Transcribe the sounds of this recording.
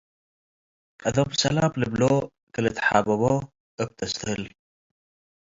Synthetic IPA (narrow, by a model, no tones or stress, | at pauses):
kʼɐd̪obsɐlamlɨblo | kʰɨlɨt̪ħa̰bɐβo | ʔɨb̚t̪ʰɐsʰhɨl